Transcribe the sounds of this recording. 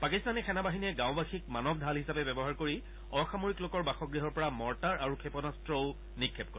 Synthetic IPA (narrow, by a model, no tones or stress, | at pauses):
pakistanɛkʰɛnabaɦiniɛɡãw̃baxik̚manɔbdʱalɦisapɛbɛbɔɦaɹkoɹi | ɔxamoɹiklokɔɹbaxɔɡɹiɦɔɹpɔɹamɔɹtaɹaɹukʰepɔnastɹɔʊ | nikʰːɛp̚kɔɹɛ